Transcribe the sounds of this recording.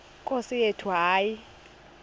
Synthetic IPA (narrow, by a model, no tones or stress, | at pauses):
kʼosijetʰuaːji